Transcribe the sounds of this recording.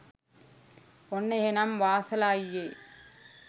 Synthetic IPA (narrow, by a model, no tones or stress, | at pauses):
ɔnːɐjɐnɐmʋaːsɐlaːjjeː